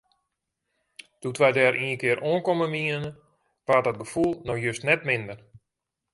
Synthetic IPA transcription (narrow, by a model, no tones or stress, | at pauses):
d̥utʋɛjdɛːɾʔiːəkɪəɾʔoənkoməmiənə | ʋatɔt̚ɡəfulˠnɔxjøstnɛtmɪndər